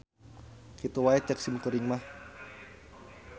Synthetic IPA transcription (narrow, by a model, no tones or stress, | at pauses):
kit̪uwaɛt͡ʃək̚simkuɾiŋmah